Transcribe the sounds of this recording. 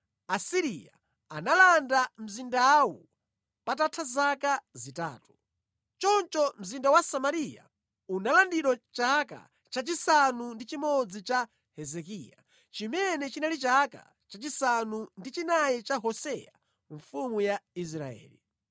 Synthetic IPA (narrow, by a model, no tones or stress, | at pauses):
asiɾija̰ | analandam̩zindawṵ | patatʰazakazita̰ːtu̥ | t͡ʃɔnt͡ʃɔm̩zindawasamaɾija̰ | unalandiɾɔt͡ʃaka̰ | t͡ʃat͡ʃisanundit͡ʃimɔd͡zit͡ʃa | hɛzɛkiːja̰ | t͡ʃimɛnɛt͡ʃinalit͡ʃaka̰ | t͡ʃat͡ʃisanundit͡ʃinajɛt͡ʃaɦɔsɛja̰ | ɱ̩fumujais̬ɾa̰ɛ̰ːli